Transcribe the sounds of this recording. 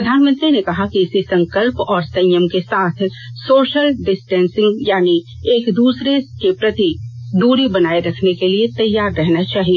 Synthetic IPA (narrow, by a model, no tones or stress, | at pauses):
pɾɐd̪ʱaːnmə̃nt̪ɾinekɐɦakiɪsisɐ̃ŋkəlpɔːɾsɐ̃jəmkesaːt̪ʰsoːʃəlɖɪsʈɛ̃ːnsɪ̃ŋɡjaːni | eːkd̪uːsɾeskepɾɐt̪id̪uːɾibɐnaːiɾɐkʰnekeliet̪ɐjːaːɾːɛɦnat͡ʃaːɦie